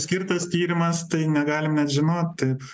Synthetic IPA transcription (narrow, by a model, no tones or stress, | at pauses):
sʲkʲɪrt̪ɐst̪ʲiːɾʲɪmɐst̪ɐɪnʲɛɡɑːlʲɪmnʲɛt̪ʒʲɪnoːt̪t̪ɐɪp